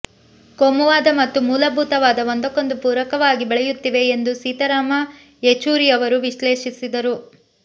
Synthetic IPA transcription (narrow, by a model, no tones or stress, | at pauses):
komuʋaːd̪ɐmɐt̪ːumuːlɐbʱuːt̪ɐʋaːd̪ɐɦond̪ɐko̞nd̪upuːɾɐkɐʋaːɡibɛɭɛjut̪ːiʋe̞ːnd̪usiːt̪ɐɾaːmɐ | et͡ʃuːɾijɐʋɐɾuʋiʃleːʃisid̪ɐɾu